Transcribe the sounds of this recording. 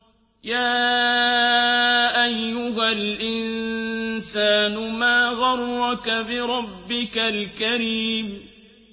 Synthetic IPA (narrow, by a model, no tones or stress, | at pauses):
jaː | ʔajːʊɦalʔɪn | saːnʊmaːɣɑɾːɑkabɪɾˤɑbːɪkalkaɾiːm